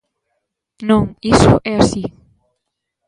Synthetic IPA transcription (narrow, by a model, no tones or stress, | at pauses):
nõŋisʊ̰ʔɛasi